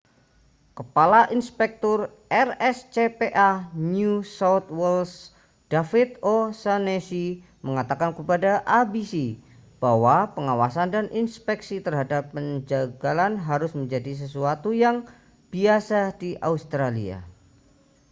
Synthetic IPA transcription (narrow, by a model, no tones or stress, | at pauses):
kəpalaʔinspɛk̚t̪ʊr | ʔɛrɛst͡ʃepeʔanjusawt̪wɛls | d̥afɪt̪osanesi | məŋat̪akankəpadaʔabisi | b̥awapəŋawasandanʔinspɛksit̪ərɦadapːəɲd͡ʒaɡalanɦaɾʊsməɲd͡ʒadis̬əs̬uat̪ujaŋ | b̥iasadiʔa̰ust̪ɾalḭa̰